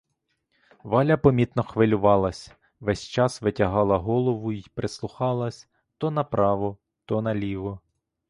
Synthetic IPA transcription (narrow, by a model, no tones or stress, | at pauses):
ʋɑlʲɐpɔmʲit̪nɔxʋɪlʲʊʋɑlˠɐsʲ | ʋɛsʲt͡ʃɑsʋɪtʲɐɦɑlˠɐɦɔlˠɔʋʊipɾeslˠʊxɑlˠɐsʲ | t̪ɔnɐpɾʔɑʋɔ | t̪ɔnɐlʲiʋɔ